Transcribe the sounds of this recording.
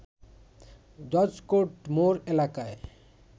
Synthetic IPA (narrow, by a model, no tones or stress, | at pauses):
dɔd͡ʑkoʈmoɾelakae